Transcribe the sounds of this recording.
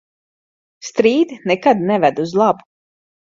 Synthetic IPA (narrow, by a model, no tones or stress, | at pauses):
st̪ɾiːd̪nɛkad̪nɛvæd̪uzlˠabu